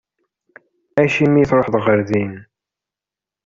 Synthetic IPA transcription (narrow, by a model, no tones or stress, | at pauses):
æʃimijθɾˤoħðʁəɾðin